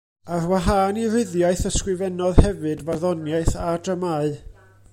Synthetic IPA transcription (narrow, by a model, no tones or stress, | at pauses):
arwaɦaːnirɪðjaɨθəskrɨvɛnɔðhɛvɨdvarðɔnjaɨθadəmaɨ